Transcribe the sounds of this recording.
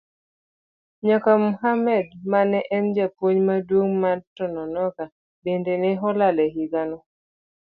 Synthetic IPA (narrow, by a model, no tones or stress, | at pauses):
ɲakamuɦamɛdmanɛʔɛnd͡ʒapwoɲmadwoŋmatɔnɔnɔka | bendenɛɦɔlalɛɦiɡanɔ